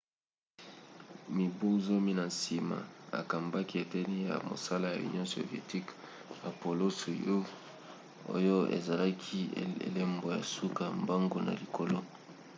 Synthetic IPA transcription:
mi˨bu˦zo˦mi˦na˨nsi˨ma̰˨a̰˨ka˨mba˦ki˦e˨tɛ˦ni˦ja̰˨mo̰˨sa˦la˦ja̰˨ṵ˨njõ˦so̰˨vi˨ḛ˨ti˦k | a˨po˨lo˦su˨jo˦ | o̰˦jo˦ḛ˨za˨la˦kʰi˦ḛ˨le˦mbo˨ja̰˨su˦ka˨a˨mba˦ŋɡo˨˦na̰˨li˨ko˨lo˦

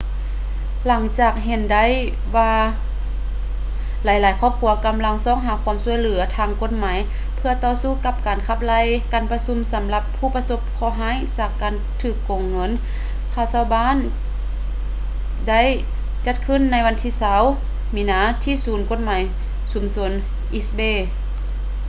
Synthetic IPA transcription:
la˨˩˦ŋt͡ɕaː˧˩k̚ɦe˧˩nda˧˥˨j | waː˧ | la˨˦jlaː˨˦jkʰɔː˧˨p̚kʰuː˧˩˦ɐka˧˦mla˧˥ŋsɔː˧˨ŋɦaː˨˦kʰu˧˥msu˧˨jlɯ˩˦ɐt̪ʰaː˧ŋko˧˦t̪̚maː˨˦j | pʰɯ˧ɐt̪ɔː˧˨suː˧˩˨ka˧˥p̚kaː˨˩nkʰa˧˩p̚la˧˥˨jkaː˨npa˧su˧˥msa˨˦mla˧pʰːuː˧˩˨pa˧so˧˥p̚kʰɔː˧˩ɦaː˧˥˨jt͡ɕaː˧˩kːaː˨n | t̪ʰɯː˧˩kːo˨ŋːɤ˧˥˨n | kʰaː˧˩wsʰa˧wbaː˧˥˨n | da˥˨j | t͡ɕa˧˥t̪̚kʰɯ˧˥˨nːa˧˥jʋa˧nt̪ʰiː˧˩sa˧˥˨w | miː˧˨naː˧˥t̪ʰiː˧˥˨suː˨˦nko˧˥t̪̚maː˨˦j | su˨˩˦mso˧n | ʔi˧sbeː˧˩

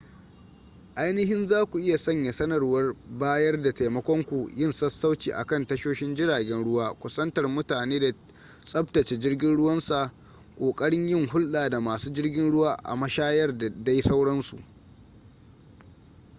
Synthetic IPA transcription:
ʔa˦jnɪ˦ɦɪ˦nzaː˦kʷu˨ʔɪ˦ja˨sɐ˦˨ɲja˨sɐ˦nɐ˨rwɐ˦rbaː˦jɐ˦rda˨ta˨mɐ˦kʷɔ˦ŋkʷu˨jɪ˦˨nsɐ˦sːa˦wt͡ʃiː˨ʔa̰˨kɐ˦˨ntɐ˦ʃoː˦ʃɪ˦nd͡ʒɪ˦ɽaː˨ɡʲɛ˦nɽʊ˦waː˦kʷʊ˦sɐ˦ntɐ˨rmʊ˦taː˨neː˦da˨ | sʼɐ˦ptɐ˨t͡ʃeː˨d͡ʒɪ˦rɡʲɪ˦nɽʊ˦wɐ˦nsa˨ʔ | kʷʼoː˨kʼɐ˦ɽɪ˦ɲjɪ˦ŋhʊ˦lɗaː˨da˨maː˨suː˦d͡ʒɪ˦rɡʲɪ˦nɽʊ˦waː˦ʔa̰˨mɐ˦ʃaː˦jɐ˦rda˦jsa˦wɽɐ˦nsṵ˨ʔ

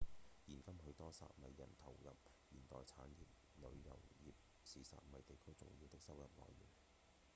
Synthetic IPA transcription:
jiː˨˩nkɐ˥mɦɵ˨˧ɥt̪ɔː˥sa̰ː˧t̚mɐ˨˧jːɐ̰˨˩nt̪ʰɐ˨˩wjɐ˨p̚ | jiː˨˩nt̪ɔː˨jt͡sʰaː˨˥nji˨p̚ | lɵ̰˨˧ɥjɐ̰˨˩wjiː˨p̚ | siː˨˥sa̰ː˧˨t̚mɐ˨˧jt̪e˨jkʰɵ˥ɥt͡sʊ̰˨˩ŋjiː˧wt̪ɪ˥k̚sɐ˥wjɐ˨p̚lɔ̰ː˨jːḭː˨˩n

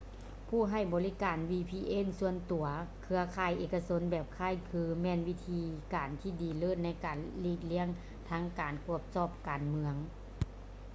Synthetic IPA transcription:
pʰuː˧˩ɦa˧˩jbɔː˨li˦˥kaː˨˩nwiː˧pʰiː˧ʔeː˧˥˩nsu˧ənt̪u˨˩ɐkʰɯ˧ɐkʰaː˧˩jʔeː˨˩kːa˧so˧˥nbɛː˨˩p̚kʰaː˧˩jkʰɯː˧mɛː˧˥˨nwi˦˧˥t̪ʰiː˧kaː˨˩nt̪ʰiː˧˩diː˨˩lɤː˧˥˨nːa˧˥˩jkaː˨˩nliː˧˩k̚li˧˥əŋ | t̪ʰaː˧˥ŋkaː˨˩nku˧˩əp̚t͡ɕɔː˧˩p̚kaː˨nmɯ˧əŋ

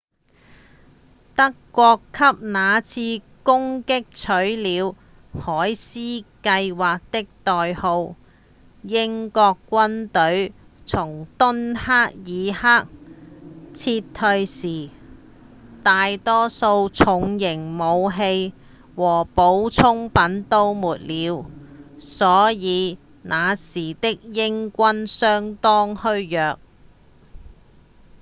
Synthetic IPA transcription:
t̪ɐ˥kːʷɔː˧kʰːɐ˥p̚naː˨˧t͡sʰiː˧ | kʊ˥ŋkɪ˥k̚t͡sʰɵ˨˥ɥliː˨˧w | hɔː˨˥jsiː˥kɐ˧jwaː˨k̚t̪ɪ˥k̚t̪ɔː˨jho˧w | jɪ˥ŋkɔː˧kːʷɐ˥nt̪ɵ˨˥ɥt͡sʰʊ˨˩ŋt̪ʊ˥nhaː˥k̚jiː˨˧haː˥k̚ | t͡sʰiː˧t̪ʰːɵ˧ɥsiː˨˩ | t̪aː˧jt̪ɔː˥so˧wt͡sʰʊ˨˧ŋjɪ˨˩ŋmo˨˧wɦe˧j | wɔː˨˩po˨˥wt͡sʰʊ˥ŋpɐ˨˥nt̪o˥wmuː˨t̚liː˨˧w | sɔː˨˥jiː˨˧ | naː˨˧siː˨˩t̪ɪ˥k̚jɪ˥ŋkʷɐ˥nsœː˥ŋt̪ɔː˥ŋhɵ˥ɥjœː˨k̚

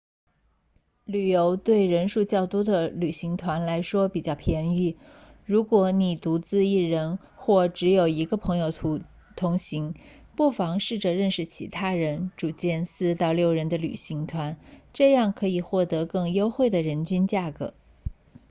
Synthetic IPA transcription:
ly˨˩jo˧˥ʊt̪we˥˩ɪɻə˧˥nʂu˥˧t͡ɕjɑ˥˩ʊt̪u˥d̪ə˨ly˨˩ɕi˧˥ŋt̪ʰwa˧˥nla˧˥ɪʂwɔ˥pi˨˩t͡ɕjɑ˥˩ʊpʰjɛ˧˥ny˥˩ | ɻu˧˥kwɔ˧˥ni˨˩t̪u˧˥t͡sɹ̩˥˧i˥˩ɻə˧˥n | xwɔ˥˩ʈ͡ʂɻ̩˧˥jo˨˩ʊi˧˥ɡə˧pʰɤ˧˥ŋjo˧ʊ | t̪ʰʊ˧˥ŋɕi˧˥ŋ | pu˥˩fɑ˧˥ŋʂɻ̩˥˩ʈ͡ʂɤ˨˩ɻə˥˧nʂɻ̩˥˩t͡ɕʰḭ˧˥t̪ʰa˥ɻə˧˥nʈ͡ʂu˨˩t͡ɕjɛ˥˧nsɹ̩˥˧t̪ɑ˥˧ʊljo˥˩ʊɻə˧˥nd̪ə˧ly̰˨˩ɕi˧˥ŋt̪ʰwa˧˥nʈ͡ʂɤ˥˧jɑ˥˩ŋkʰɤ˧˥i˨˩xwɔ˥˩t̪ɤ˧˥kɤ˥˩ŋjo˥ʊxwe˥˩ɪd̪ə˩ɻə˧˥nt͡ɕy˥nt͡ɕja˥˩kɤ̰˧˦

